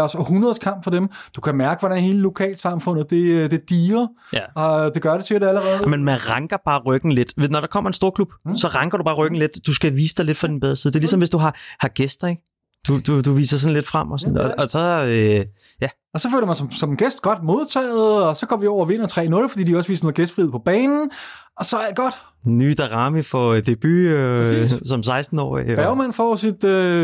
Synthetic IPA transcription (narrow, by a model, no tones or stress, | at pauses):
ɒsɒhunɐð̞̩ˠskʰɑ̈m̰b̥fɒ̽d̥emd̥ukʰæmæɐɡ̥əʋɒɾænhe̝ːləlo̝kʰɛ̰ːlsɑ̈mfɔ̽n̰ð̩ˠd̥e̝d̥e̝d̥iːɐ | jæɒd̥e̝ɡ̥ɶɐd̥e̝t͡sʰeɾeæləʁɛːðˠmenmænʁɑ̈ŋɡ̥ɐb̥ɑ̈ːʁœɡ̥n̩le̝d̥ʋe̝ðˠnɒɾɑ̈kʰɒ̽m̰ɐe̝nsd̥o̝ːɐkʰlub̥sɒ̽ʁɑ̈ŋɡ̥ɐd̥ɾub̥ɑ̈ːʁœɡ̥n̩le̝d̥d̥usɡ̥æʋḭːsəd̥ɑ̈ɪle̝d̥fʁɑ̈d̥inbeð̞ˠɐsiðˠd̥e̝ɐlisɒ̽mʋe̝sd̥uɦɑ̈hɑ̈ɡ̥esd̥ɐeɡ̥ | d̥ud̥ud̥uʋḭːsɐsɒ̽n̩le̝d̥fʁam̰ɒsnɒɒsɒ̽ | jæ | ɒsɒfø̰ːlɐmænsɒmsɒ̽menɡ̥esd̥̚ɡ̥ɒ̽d̥mo̝ð̞ˠt͡sʰɛ̰ːɪð̩ˠɒ̽sɒ̽kʰɒ̽m̰ʋiɒʊ̰ɐʋe̝nɐt͡sʰʁɛ̰ːnɔ̽lfd̥ḭːdiɒsʋḭːsnoːðˠɡ̥esd̥fʁið̩ˠpʰɒ̽b̥ɛːnn̩ | ɒ̽sɒ̽æɡ̥ɒd̥ | nːyːd̥ɑʁɑməfɒd̥e̝b̥yøsɒ̽ms̬ɑ̈ɪsd̥n̩ɒ̰ːibæʊmæn̰fɒsid̥ø